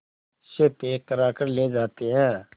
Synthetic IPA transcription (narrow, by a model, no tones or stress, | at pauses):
ʃeːt̪eːkəɾaːkəɾleːd͡ʒaːt̪eːɦɛ̃ː